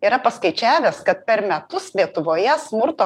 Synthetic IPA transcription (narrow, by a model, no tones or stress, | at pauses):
iːɾɐpɐskɐɪt͡ʃʲæːʋʲɛskɐt̪̚pʲɛɾmʲɛt̪ʊslʲiɛt̪ʊʋoːjɛsmʊɾt̪oː